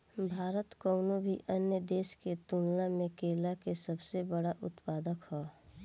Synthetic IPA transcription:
bʱaːɾət̪koʊnobʱḭʔənjəd̪eːʃket̪ũːnlamẽkeːlakesəbsebəɽaʔʊt̪paːd̪əkhɔː

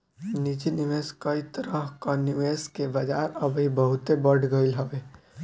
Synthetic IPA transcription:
nit͡ʃiniʋeskəit̪əɾəɦkanuʋeːskebɐd͡ʒaɾəbibəɦʊt̪ebəɽɡəilɦəʋe

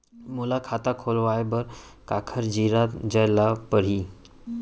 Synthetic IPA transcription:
mulakʰat̪akʰolʋajbəɾkakʰəɾd͡ʑiɾat̪d͡ʑəjlapəɽ̤i

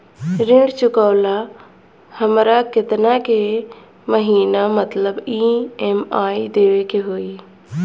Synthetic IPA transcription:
ɾɪ̃ɳɖt͡ʃʊkaːla | həmɾakɪt̪nake | məɦiːnamət̪ləbiemaːid̪eːʋekeɦoːi

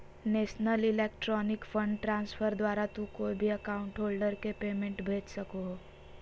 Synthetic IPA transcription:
neːʃnəlɪleːkʈɾɔːnɪkfʰə̃ɳɖʈɾãːnsfʰəɾd̪waːɾat̪ukoːibʱiəkaʊ̃ɳʈɦoːlɖəɾkepeːmẽɳʈbʱeːt͡ʃsəkoɦ

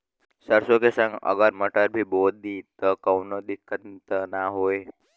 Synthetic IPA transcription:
səɾsokesə̃ŋɡə̰ɡəɾməʈəɾbʱibod̪d̪it̪əkəʋnod̪ɪkʰːənt̪ənaɦoj

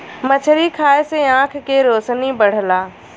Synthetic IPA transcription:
mɐt͡ʃʰəɾikʰaːeseãːkʰkeɾoːsnibɐɽ̤laː

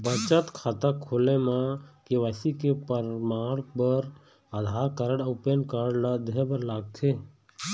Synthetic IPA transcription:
bət͡ʃət̪kʰat̪əkʰːolẽmãkeʋəsikepəɾmaːɽpəɾ | ad̪ʱaːɾkəɾəɽəʊpenkəɽlad̪ebəɾlaːɡ̚t̪ʰe

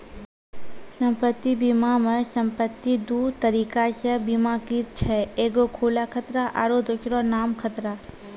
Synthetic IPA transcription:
sə̃mpət̪ːibimamesə̃mpət̪ːid̪uːt̪əɾiːkaʃəbimakit͡ʃʰɛːeːɡokʰoːlakʰət̪ɾaʔa̰ɾod̪ʊʃɾɔ̃naːmkʰət̪ɾaː

